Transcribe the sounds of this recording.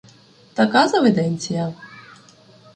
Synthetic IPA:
t̪akazɐvɛd̪ɛnʲt͡sʲijɐ

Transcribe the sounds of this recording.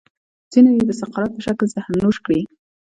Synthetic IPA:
z̥inajed̪əsɑqɑɾat̪̚pəʃaklzahmnːoʃkɽi

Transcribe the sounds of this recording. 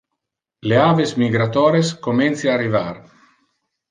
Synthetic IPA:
leaːvesmiɡɾat̪ɔːɾeskoment̪siaːrivar

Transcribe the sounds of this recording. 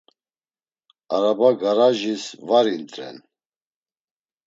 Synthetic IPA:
aɾabaɡaɾaʒisvaɾint̪ʼɾɛ̰n

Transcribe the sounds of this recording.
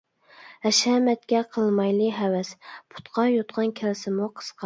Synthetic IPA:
hɛʃɛmɛt̪̚kʲɛqʰəlˠmɑjlˠɨɦɛwɛspʰʊ̥t̪qʰɑjot̪qʰɑnkʲʰælɪsɪmuqʰə̥sqʰɑ

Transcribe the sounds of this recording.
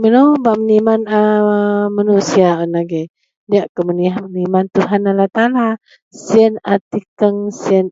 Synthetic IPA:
mənobaʔmənimanəmanusiaənaɡe | diaʔkəməniɦamənimant̪uɦanalat̪ala | siənat̪ikəŋsiən

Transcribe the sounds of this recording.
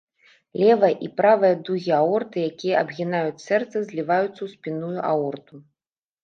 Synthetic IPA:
lʲɛvɐʔipɾavɨjɐd̪uɣʲiaɔrt̪ɨjakʲijɐɐbɣʲinajut͡sʲsɛrt̪sɐzʲlʲivajut̪sːɐwsʲpʲinujuʔa̰ɔrt̪u

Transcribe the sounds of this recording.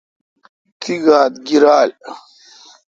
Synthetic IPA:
t̪ʰiɡaːt̪ɡiɾaːl

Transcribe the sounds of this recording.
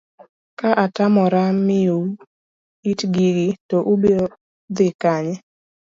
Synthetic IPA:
kaʔatamɔɾamɪo | itɡiɡitɔʔubeo | d̪ɪkaɲɛ

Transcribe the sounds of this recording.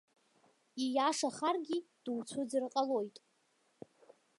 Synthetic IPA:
ijaʂaχarɡʲid̥uwt͡sʷʰʊd͡zɨrqʼalo̞jtʼ

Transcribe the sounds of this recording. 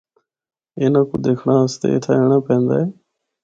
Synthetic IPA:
eːnãːkud̪eːkʰɳaːəst̪ḛːɪ̰t̪ʰaːeːɽãːpẽːnd̪aːeː

